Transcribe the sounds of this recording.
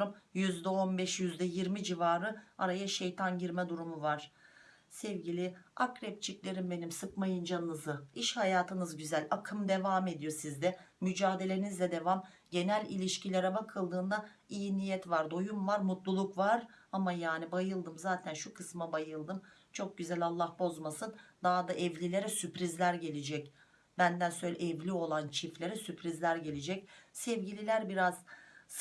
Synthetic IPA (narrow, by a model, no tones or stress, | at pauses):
ɾumjyzd̪ɛo̞nbɛʃjyzd̪ɛjiɾmid͡ʒivaːɾɯaɾajaʃejt̪ʰanɟiɾmɛd̪uɾumuvaɾ̥ | sɛvɟilʲiakɾɛp̚t͡ʃʰiclʲeɾimbe̞nimsɯkmajɯnd͡ʒanːɯzɯiʃhajaːt̪ʰɯnɯzɟyzælʲakʰɯmd̪e̞vame̞d̪ijo̞sizd̪ɛmyd͡ʒaːd̪e̞lʲe̞nizlʲɛd̪e̞vamɟe̞nælʲilʲiʃcilʲeɾɛbakʰɯlˠd̪ɯːnd̪a | ijinijɛt̪vaɾd̪o̞jumvaɾmut̪lˠulˠukvaɾamajaːnibajɯlˠd̪ɯmzaːt̪ʰænʃukʰɯsmabajɯlˠd̪ɯm | t͡ʃʰo̞k̚ɟyzælʲalˠːahbo̞zmasɯnd̪aɦd̪aʔɛvlʲilʲe̞ɾɛsypɾizlʲæɾɟe̞lʲed͡ʒɛc | b̥ænd̪ænsøjlʲɛʔɛvlʲio̞lˠant͡ʃʰiflʲe̞ɾɛsypʰɾizlʲæɾɟe̞lʲed͡ʒɛcsɛvɟilʲilʲæɾbiɾaz̥